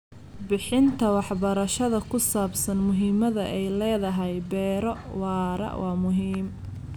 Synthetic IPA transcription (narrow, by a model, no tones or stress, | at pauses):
bɪħɪnt̪ʰɐwɑħbɐɾɐʃɐðɐkʰʊsaːbsɐnmʊɦiːmɐðɐʔɛjlɛːðɐɦɛjbɛːɾɔwɑːɾɐ̰ʔwʔɑːmʊɦiːm